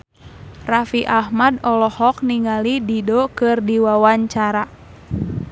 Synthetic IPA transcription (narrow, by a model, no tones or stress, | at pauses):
rafiʔahmadɔlɔhɔk̚niŋalididokɨrdiwawaɲt͡ʃaɾa